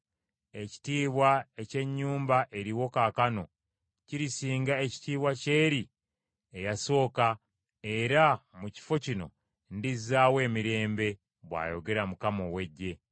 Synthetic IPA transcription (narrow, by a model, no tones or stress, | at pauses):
e̞ci̥tiːβwae̞ce̞ɲːuːmbaʔe̞ɾiwo̞kakano̞ | ciɾisiːŋɡae̞ci̥tiːβwace̞ːɾi | e̞jaso̞ːka | e̞ɾamuci̥fo̞cino̞̰ | ndizaːwe̞ːmiɾe̞ːmbe̞ | βwa̰ːjo̞ɡe̞ɾamukamo̞we̞ɟːe̞